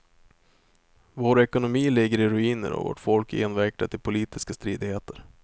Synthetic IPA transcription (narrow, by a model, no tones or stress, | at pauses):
voːɾɛkʊnʊmiːlɪɡːəɾɪɾɵiːnə̰ɾɔ̰vo̰ːʈfɔlkʰeːnvæɾk̚t̪at̪ʰɪlpʰʊliːt̪ɪskast̪ɾiːd̪ɪheːt̪əɾ